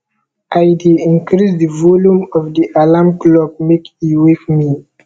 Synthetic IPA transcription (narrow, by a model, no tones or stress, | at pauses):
ʔajdeĩŋkɾisdəvɔljũmɔvdiʔalamklɔb̚mekiwekmi